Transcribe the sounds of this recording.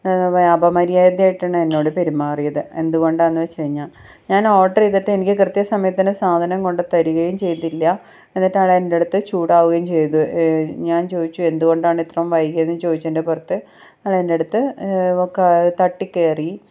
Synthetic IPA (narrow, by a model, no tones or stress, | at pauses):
ɐbʱɐmɐɾijaːjd̪jaːjiʈːɐɳːɨenːo̞ːɽɨpe̞ɾumːaːrijɐðɨe̞nd̪uɣo̞ɳɖaenːɨʋɐt͡ɕejiɲːaːɭ | ɲaːnoːʈːɐriðɐtːeenikʲːɨkrɨt̪ːjɐsɐmɐjɐt̪ːinɨsaːd̪ʱɐnɐŋko̞ɳɖɨt̪ɐɾuɣɐjumt͡ɕe̞jt̪ːilːɐ | enːɐtːeaːɭeende̞ɽut̪ːɨt͡ɕuːɽaːʋuɣɐjumt͡ɕe̞jt̪ːuɲaːnt͡ɕo̞ːðit͡ɕːue̞nd̪uɣo̞ɳɖaːɳit̪rɐmʋɐjkːijɐnːɨt͡ɕo̞ːðit͡ɕːendepurɐt̪ːɨ | ɐɭeende̞ɽut̪ːɨokːet̪ɐʈːikːeːri